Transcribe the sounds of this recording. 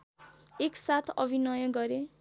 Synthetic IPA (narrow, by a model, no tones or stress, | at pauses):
eksat̪ʰʌ̰bʱinʌjʌɡʌɾe